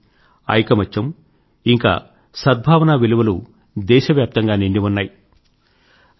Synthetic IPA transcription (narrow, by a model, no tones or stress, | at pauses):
ɐ̰jkɐmɐt͡ʃːɐm | iŋka̰ː | sɐd̪̚bʱaːʋɐnaːʋiluʋɐlu | d̪ɛːʃɐʋjaːp̚t̪ɐŋɡaːniɳɖiʋunːaːji